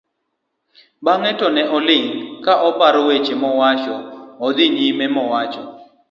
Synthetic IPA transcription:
baŋɛtɔnɛɦɔlɪŋkaʔɔpaɾɔwet͡ʃemɔwat͡ʃɔɔd̪ɪɲimɛmɔwat͡ʃɔ

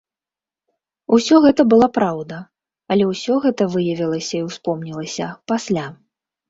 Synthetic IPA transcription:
usʲɔɣɛt̪ɐbɨlˠapɾawd̪ɐ | ɐlʲɛwsʲɔɣɛt̪ɐvɨjɐvʲilˠɐsʲɐiwspɔmnʲilˠɐsʲɐpasʲlʲa

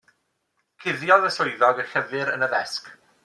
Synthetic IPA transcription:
kʰɪðjɔðəsʊɨðɔɡəɬəvɨɾə̰nəðɛsk

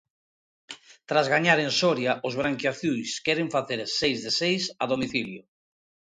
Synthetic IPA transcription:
t̪ɾazɣaɲaɾensɔɾjaʔʊzβɾaŋkjaθjujskɛɾɪɱfaθeɾsejzðesejsaðomiθiljo

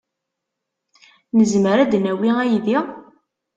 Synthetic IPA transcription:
nəzməɾæd̪næwiæjði

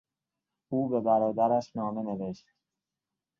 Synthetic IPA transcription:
uːbebæɾɒːd̪æɾæʃnɒːme̞neveʃt̪

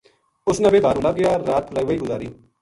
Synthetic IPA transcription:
ʊsnãbeːbaːɾũːlaɡɪjaːɾaːt̪ləiʋəiːɡʊzaːɾiː

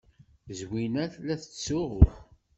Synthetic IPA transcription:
zwinæθlæθə̥t͡sːʊʁʊθ

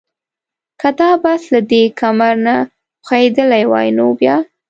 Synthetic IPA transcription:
kad̪ɑbaslad̪ekʰamaɾna | xaed̪əlajwɑ̰jnobjɑ

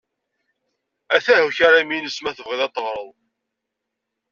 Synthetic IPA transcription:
æθæhuçaɾaminəsmæθəvʁiðɑt̪ˤːəʁɾˤəðˤ

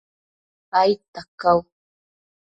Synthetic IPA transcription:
pajt̪akaw

